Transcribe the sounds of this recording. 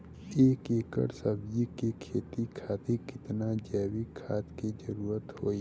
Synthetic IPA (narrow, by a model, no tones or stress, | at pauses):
eːkeːkə̰ɾsəbd͡ʒikikʰeːt̪ikʰaːt̪ekɪt̪nad͡ʒɛːwikʰaːt̪kid͡ʒɐɾuːɾət̪hoːi